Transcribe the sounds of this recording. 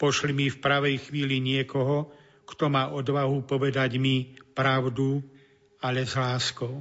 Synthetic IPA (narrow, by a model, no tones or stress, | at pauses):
pɔʃlimifpɾaʋɛjxʋiːliɲɪɛkɔɦɔ | kt̪ɔmaːʔɔd̪ʋaɦupɔʋɛd̪aɟmipɾaʊd̪u | aʎɛzlaːskɔʊ